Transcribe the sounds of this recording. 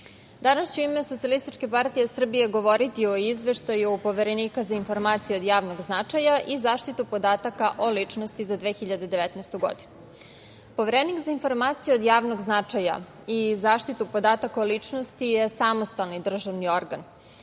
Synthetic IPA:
d̪anast͡ɕeuimeso̞t̪sijalist̪it͡ʃkepaɾt̪ije̞sr̩bije̞ɡo̞ʋo̞ɾit̪ioizʋeʃt̪ajupo̞ʋeɾeniːkazainfo̞ɾmaːt̪sijeo̞d̪jaːʋnoɡznat͡ʂajaʔizaːʃt̪it̪upo̞d̪aːt̪akaʔo̞lit͡ʂnost̪izad̪ʋeːxiʎad̪ed̪eʋɛt̪nɛst̪uɡo̞̰d̪inu | po̞ʋeɾenikzainfo̞ɾmaːt̪sijeod̪jaːʋnoɡznat͡ʂaja̰ | izaːʃt̪it̪upo̞d̪aːt̪akaolit͡ʂnost̪ije̞samost̪alnid̪r̩ʒaʋnio̞ɾɡan

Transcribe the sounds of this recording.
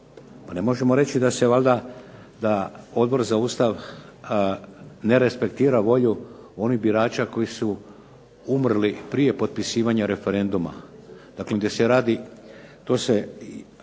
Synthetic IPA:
panemo̞ʒe̞mo̞ɾe̞t͡ʃid̪ase̞ʋald̪a | d̪ao̞d̪̚bo̞ɾzauːst̪aʋ | ne̞ɾe̞spe̞kt̪iːɾaʋo̞ʎuo̞nibiɾaːt͡ʃako̞jisu | umrlipɾije̞po̞t̪̚pisiːʋaɲaɾe̞fe̞ɾe̞nd̪uma̰ | d̪̥akled̪eseɾaːd̪it̪oːse

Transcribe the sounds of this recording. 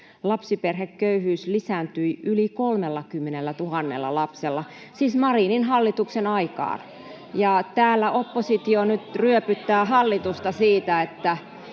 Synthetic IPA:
lɑpsiperhekkøyhyːslisæˑnt̪yiylikolmelːɑkymːenelːæt̪uhɑnːḛlːɑ̰lɑpselːɑsiːsmɑrininɦɑlːit̪uksenɑikɑ̰ːn | jɑt̪æːlːæʔopːosit̪ionyt̪ryøpyt̪ːæːhɑlːit̪ust̪ɑsiːt̪æet̪ːæ

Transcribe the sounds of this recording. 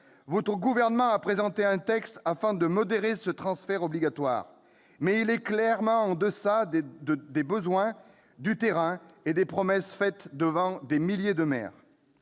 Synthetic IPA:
vɔt̪χəɡuvɛʁnəmɑ̃apχezɑ̃t̪eɛ̃t̪ɛkst̪afɛ̃d̪əmɔd̪eʁesət̪χɑ̃sfɛʁɔbliɡat̪wa̰ːʁ | mɛilɛklɛʁmɑ̃ɑ̃d̪əsad̪d̪əd̪ebəzwɛ̃ | d̪yt̪eʁɛ̃ed̪epχɔmɛsfɛt̪d̪əvɑ̃d̪emiljed̪əmɛ̰ːʁ

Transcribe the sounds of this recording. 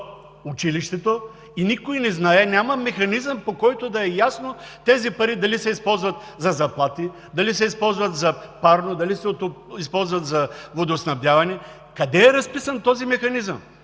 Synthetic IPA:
ʊt͡ʃiliʃt̪ɛt̪o | inikojnɛznaɛnʲamɐmɛxɐnizəmpokɔjt̪od̪ɐɛjasno | t̪ɛzipɐɾid̪ɐlisɛispɔlˠzvɐt̪ | zɐzɐplˠat̪i | d̪ɐlisɛispɔlˠzvɐt̪zɐpaɾnod̪ɐlisɛoispɔlˠzvɐt̪zɐvod̪osnɐvd̪javɐnɛ | kɐd̪ɛɛɾɐspisənt̪ɔzimɛxɐnizəm

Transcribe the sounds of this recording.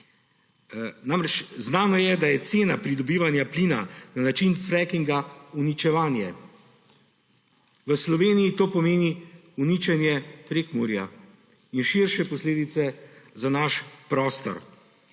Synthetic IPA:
namɾɛt͡ʃznaːnɔjɛd̪ajɛt̪seːnapɾid̪ɔbiːʋanjapliːnananat͡ʃinfɾɛkiŋɡaunit͡ʃɛʋaːnjɛ | ʋəslɔʋeːnijit̪oːpɔmeːni | unit͡ʃɛnjɛpɾekmṵɾja̰ | inʃiɾʃɛpɔsleːd̪it̪sɛzanaʃpɾɔːst̪ɔ̰ɾ

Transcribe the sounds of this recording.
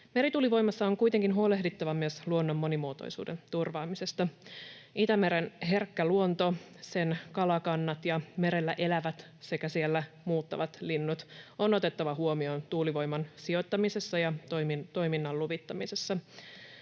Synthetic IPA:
me̞ɾit̪uːliʋo̞jmɑsːɑoŋkujt̪e̞ŋkinɦuolehdit̪ːɑʋɑmyøsluonːo̞mːo̞nimuot̪o̰jsṵːdent̪urʋɑːmise̞st̪ɑ | it̪æme̞ɾenɦe̞rkːæluo̞nt̪o̞ | se̞nkɑlɑkɑnːɑt̪jɑme̞ɾe̞lːæʔe̞læʋæt̪ | se̞kæsielːæ | muːt̪ːɑ̰ʋɑt̪linːut̪o̞no̞t̪e̞t̪ːɑʋɑɦuo̞mio̞nt̪uːliʋo̞jmɑnsio̞t̪ːɑmise̞sːɑjɑt̪omint̪o̞jminːɑlluʋit̪ːɑmise̞sːɑ

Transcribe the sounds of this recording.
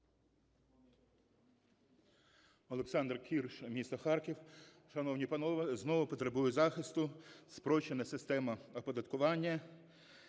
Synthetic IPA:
ɔlˠeksɑnd̪rkʲʰirʃmʲist̪ɔxɑrkʲiw | ʃɐnɔwnʲipɐnɔʋɐznɔʋʊpɔt̪ɾebujʊzɑxɪst̪ʊspɾɔt͡ʃenɐsɪst̪ɛmɐɔpɔd̪ɐt̪kʊʋɑnʲːɐ

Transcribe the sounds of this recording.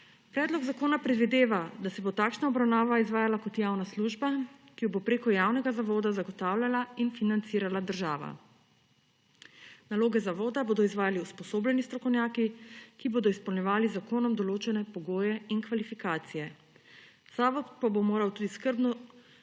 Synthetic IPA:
pɾɛd̪lɔɡzakoːnapɾɛd̪ʋid̪eːʋad̪asɛbot̪aːkʃnaɔbɾawnaːʋaizʋaːjalakɔt̪jaːwnasluʒbakijɔbopɾeːkɔjaːwnɛɡazaʋoːd̪azaɡɔt̪aːwlʲjalainfinant̪siːɾalad̪əɾʒaːʋa̰ | naloːɡɛzaʋoːd̪aboːd̪ɔizʋaːjaliuspɔsoːblɛnist̪ɾɔkɔwnʲjaːkikiboːd̪ɔispɔwnɲɛʋaːlizakoːnɔmd̪ɔloːt͡ʃɛnɛpɔɡoːjɛinkʋalifikaːt̪sijɛ | saːʋɔt̪pabomoːɾawt̪uːd̪iskəɾbnɔ

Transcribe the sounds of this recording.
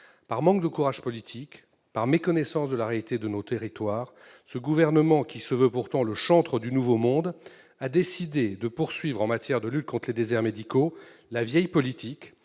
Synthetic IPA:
paʁmɑ̃k̚d̪əkuʁaʒ̥pɔlit̪ʰik | paʁmekɔnɛsɑ̃sd̪əlaʁealit̪ed̪ənot̪eʁit̪waːʁ | səɡuvɛʁnəmɑ̃kʲisəvøpuʁt̪ɑ̃ləʃɑ̃t̪χəd̪ynuvomɔ̃d̪ | ad̪esid̪ed̪əpuʁsɥivʁɑ̃mat̪jɛʁd̪əlyt̪̚kɔ̃t̪χled̪ezɛʁmed̪ikolavjɛjpɔlit̪ʰik

